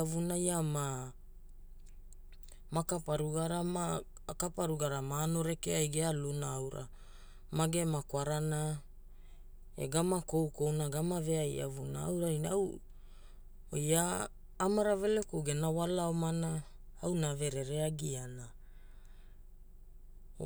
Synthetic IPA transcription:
avunajama | makapaɾuɡaɾama | kapaɾuɡaɾamaːno̞ɾe̞keajɡealunaawɾʔa̰ | maɡe̞makwaɾana | e̞̰ɡamako̞wko̞wnaɡamave̞aja̰vunaa̰wɾajnaw | ojaː | maɾave̞lekoɡenawalaomana | awnave̞ɾe̞ɾe̞aɡiana

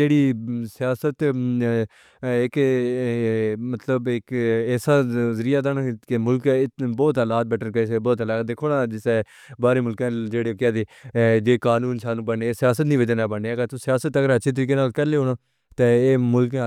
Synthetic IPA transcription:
eːɽiːsɪjaːsət̪ | ɪk | mət̪ləbɪkɛːsaːzəɾijaːd̪aːnãkɪmʊlkːɪbɔːt̪əlaːt̪̚bɛʈənkəsɛbɔːt̪laːd̪ekʰoːnaːd͡ʒɪsɛː | baːɾeːmʊlkãːd͡ʒeːɽeːkaːd̪eːd͡ʒeːkaːnũːnsaːnũːbəɳːeːsɪjaːsət̪nĩːʋəd͡ʒənaːbəɳeːɛkat̪ũsɪjaːsət̪əɡəɾətːʃʰeːt̪əɾiːk̬eːnaːlkəɾleːɦoːnaː | t̪eːeːmʊlkː

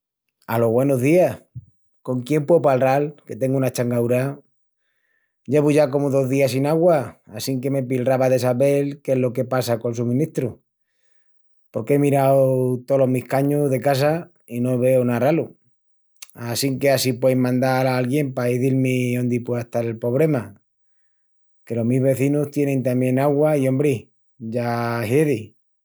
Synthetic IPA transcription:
alo̞ɦβwe̞noɦðiah | ko̞ŋkje̞mpwewpalralke̞t̪e̞ŋɡuunat͡ʃaŋɡawɾa | ɟ͡ʝe̞βuʝako̞moðo̞ɦðiasinaɣwaasiŋke̞me̞p̬ilraβaðe̞saβe̞lke̞ɦlo̞ke̞pasako̞lsumĩnit̪ɾu | po̞ɾkeemiɾawt̪o̞lo̞ɦmihkaɲuzðe̞kas̬a | inoβ̞e̞onaralu | asiŋke̞asipwejmãnd̪alaalɣje̞mpaiðilmiond̪ipweðeht̪aɾe̞lpo̞β̞ɾe̞ma | ke̞lo̞ɦmizβe̞θinust̪je̞nẽnt̪ambjẽ̞naɣwaio̞mbɾi | ʝaɦeði

